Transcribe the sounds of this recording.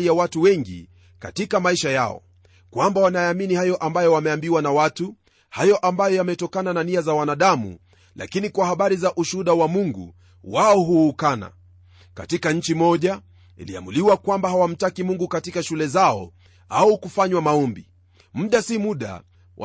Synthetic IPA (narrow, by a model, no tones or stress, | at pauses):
ijawatuwɛŋɡḭ | ka̰tikamaiʃajaɔ̰ | kwambawanajaːminihajɔʔambajɔwamɛambiwanawatu | hajɔʔambajɔjamɛtɔkanananiazawanaɗamṵ | lʔa̰kinikwahaɓaɾizaʔuʃuhuɗawamuŋɡṵ | waɔɦuːkana̰ | ka̰tikaɲ̩t͡ʃimɔʄa | ḭlḭa̰muliwakwambahawam̩takimuŋɡukatikaʃulɛzaɔ̰ | aukufaɲwamaɔmbi | m̩ɗasimuɗa̰ | wa̰